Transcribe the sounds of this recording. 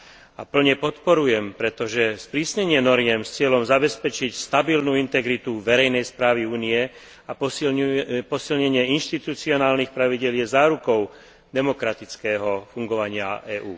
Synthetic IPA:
a̰pl̩ɲɛpɔt̪pɔɾujɛmpɾɛt̪ɔʒɛspɾiːsɲɛɲɪɛnɔɾjɛmst͡sɪɛlɔmzabɛspɛt͡ʃicst̪abilnuint̪ɛɡɾit̪uʋɛɾɛjnɛjspɾaːʋiuːnijɛ | a | pɔsilɲɛɲɪɛinʃt̪it̪ut͡siɔnaːlnixpɾaʋiɟɪɛljɛzaːɾukɔʊ | d̪ɛmɔkɾat̪it͡skɛːɦɔfuŋɡɔʋaɲɪa̰ɛːʔuː

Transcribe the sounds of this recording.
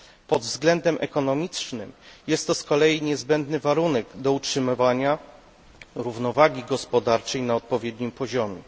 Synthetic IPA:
pɔd̪vzɡlɛnd̪ɛmʔɛkɔnɔmʲit͡ʂnɘmjɛst̪ːɔskɔlɛjiɲɛzbɛnd̪nɘvaɾunɛɡd̪ɔutʂɘmɘvaɲa | ɾuvnɔvaɡʲiɡɔspɔd̪aɾt͡ʂɛjnaɔt̪̚pɔvʲjɛd̪ɲimpɔʑɔmʲjɛ

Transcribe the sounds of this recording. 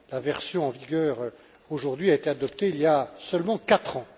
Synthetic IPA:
lavɛʁsjɔ̃ɑ̃viɡœːʁø | oʒuʁd̪ɥiaet̪ead̪ɔp̚t̪eiljasœlmɑ̃kat̪χɑ̃

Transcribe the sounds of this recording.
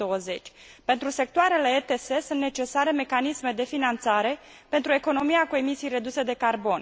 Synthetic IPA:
owəze̞t͡ʃʲpe̞nt̪ɾuse̞k̚t̪oaɾe̞le̞et̪ese̞sunt̪ne̞t͡ʃe̞saɾe̞me̞kanisme̞d̪e̞finant̪saɾe̞ | pe̞nt̪ɾue̞ko̞no̞miakue̞misijre̞d̪use̞d̪e̞karbo̞n

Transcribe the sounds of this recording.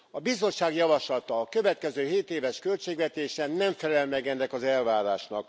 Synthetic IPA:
ɒbizo̞t͡ʃʃːaːɡjɒvɒʃlɒt̪ɒːkø̞vɛt̪̚kɛzøːɦeːt̪eːvɛʃkø̞lt͡ʃeːɡʋɛt̪eːʃɛnːɛɱfɛlɛlmɛɡɛnːɛkɒzɛlvaːɾaːʃnɒk

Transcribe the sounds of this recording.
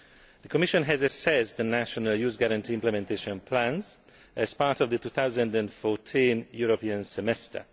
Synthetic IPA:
d̪əkɔmɪʃɔ̃nɦɛzəsɛsd̪ənæʃɔnəljuːzɡæɾãntʰiːɪ̃mplɛmɛ̃ntʰeʃɔ̃npʰlæ̃nz | ʔɛz̥paːɹtɔvd̪ətuːθawzə̃ndɛ̃nfɔːtʰĩnjuɹopiə̃nsɛmɛstə̰

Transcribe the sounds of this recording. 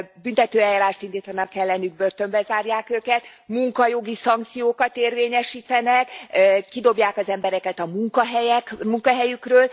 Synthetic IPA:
bynt̪ɛt̪øːɛjːaːɾaːʃt̪ind̪iːt̪ɒnɒkːɛlːɛnyɡ̚bø̞rt̪ø̞mbɛzaːrjaːkøːkɛt̪muŋkɒjo̞ɡisɒŋk̚t̪sijoːkɒt̪eːrveːɲɛʃiːt̪ɛnɛkːid̪o̞bjaːkɒzɛmbɛɾɛkɛt̪ɒmuŋkɒɦɛjɛkmuŋkɒɦɛjykrøːl

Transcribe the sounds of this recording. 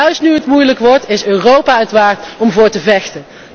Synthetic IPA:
œɥstnyɦətmujləkʋɔɹtɪsøːrowpaːətʋaːɹtɔmvʊːɹtəvɛxtən

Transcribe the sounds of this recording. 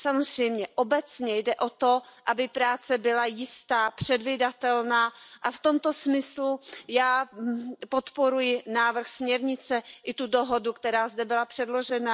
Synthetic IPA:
samo̞zrɛjmɲɛʔo̞bɛt͡sɲɛjdɛʔo̞t̪o̞ʔabɪpɾaːt͡sɛbɪlajɪst̪aːpr̥ɛdvɪdat̪ɛlnaːʔaft̪o̞mt̪o̞smɪslujaː | po̞t̪po̞ɾujɪnaːvr̩xsmɲɛɾɲɪt͡sɛʔɪt̪udo̞ɦodukt̪ɛɾaːzdɛbɪlapr̝̥ɛdlo̞ʒɛna

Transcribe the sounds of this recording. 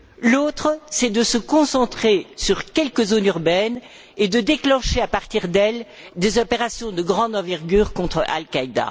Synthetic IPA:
lot̪χəsɛd̪əsəkɔ̃sɑ̃t̪χesyʁkʲɛlkəzonyʁbɛn | ed̪əd̪eklɑ̃ʃeapaʁt̪iʁd̪ɛl | d̪ezɔpeʁasjɔ̃d̪əɡʁɑ̃d̪ɑ̃vɛʁɡʲyːʁkɔ̃t̪χə̰ʔa̰lkaid̪a̰

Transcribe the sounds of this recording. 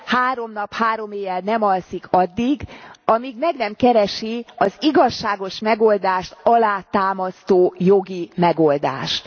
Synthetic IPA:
haːɾo̞mnɒphaːɾo̞meːvɛlnɛmɒlsikʰɒd̪ːiɡɒmiɡmɛɡnɛmkɛɾɛʃiɒziɡɒʃːaːɡo̞ʃmɛɡo̞ld̪aːʃt̪ɒlaːt̪aːmɒst̪oːjoɡimɛɡo̞ld̪a̰ːʃt̪

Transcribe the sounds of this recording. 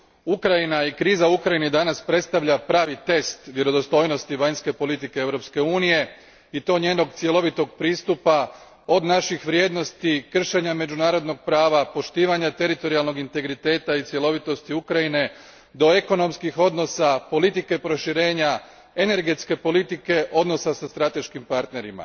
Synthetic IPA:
ukɾajinaikɾiːzauukɾajinid̪anaspɾe̞t̪st̪aʋʎapɾaːʋit̪e̞st̪ʋje̞ɾo̞d̪ost̪o̞ːjno̞st̪iʋaɲske̞po̞lit̪ike̞eʋwɾo̞pske̞uːnije̞ | it̪o̞ːɲe̞ːno̞ɡt̪sje̞lo̞ʋit̪o̞ɡ̚pɾiːst̪upa | o̞d̪naʃixʋɾje̞ːd̪no̞st̪ikr̩ʃe̞ɲame̞d͡ʒunaːɾo̞d̪no̞ɡ̚pɾaːʋapo̞ʃt̪iːʋaɲat̪e̞ɾit̪o̞ɾialˠno̞ɡint̪e̞ɡɾit̪e̞ːt̪ait̪sje̞lˠo̞ʋit̪o̞st̪iukɾajine̞ | d̪o̞e̞ko̞no̞mskixo̞d̪no̞sapo̞lit̪ike̞pɾo̞ʃiɾe̞ːɲa | e̞ne̞ɾɡe̞t̪ske̞po̞lit̪ike̞ʔo̞d̪no̞sasast̪ɾat̪e̞ʃkimpaɾt̪ne̞ɾima̰

